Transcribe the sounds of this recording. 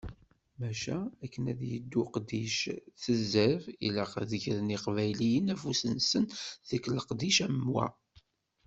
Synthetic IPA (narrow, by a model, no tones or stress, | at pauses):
mæʃæækːənæ̰ðjə̰d̪ːuqd̪iʃθəzːəvḭləqðəçɾəniqvæjlijənæfusənsənðəkːləqd̪iʃæmwæ̰